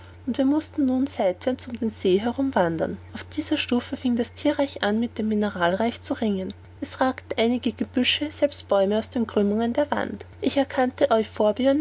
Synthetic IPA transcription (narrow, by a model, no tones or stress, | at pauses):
ʔʊntv̥iːɐmʊstn̩nuːnzaɪtv̥ɛɐt͡sʊmdeːnz̥eːɦɛʁʊmvandɐ̰nʔaʊfd̥iːzɐʃtuːfəfɪŋdastʰiːɐʁaɪçʔanmɪt̚d̥eːmːinəʁaːlʁaɪçt͡suʁɪŋən | ʔɛsʁaːkt̩ʔaɪnɪɡəɡəb̥ʏʃəz̥ɛlpst̚b̥ɔʏməaʊsd̥eːnɡʁʏmʊŋəndeːɐva̰ntʔɪçɛɐkʰantəʔɔʏçfoːɐbiɐn